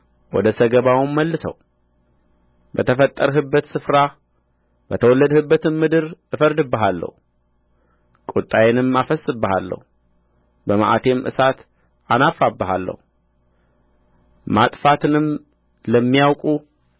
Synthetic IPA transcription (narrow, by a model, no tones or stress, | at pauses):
wɔd̪əsəɡəβawmːəlːɨsə̰w | bət̪ʰəfət̪ʼːəɾɦɨbːət̪sɨfɾa | bət̪ʰəwɔlːəd̪hɨbːət̪ɨnmɨd̪ɨɾʔɨfəɾd̪ɨbːəɦalːə̰hu | kʼut̪ʼːajɛnɨmafəsʼːɨbːəhalːə̰hu | bəma̰ʔat̪ʰe̞mʔɨ̰sat̪ | ʔanafabːəɦalːə̰hu | mat̪ʼfat̪ʰɨnɨm | ləmːijawkʼu